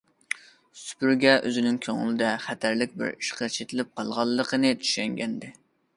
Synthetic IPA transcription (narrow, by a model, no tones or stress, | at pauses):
sy̥pyɾɡʲɛʔøzɪnɪŋkʲʰøŋɪ̰lɪd̪ɛχæt̪ʰæɾlɪk̚ʲbɪ̰ɾiʃqʰɑt͡ʃʰet̪ʰɪlɪp̚qʰɑlˠʁɑlˠːəqənɨt͡ʃ̪ʰy̥ʃɛŋɡʲɛnd̪ɪ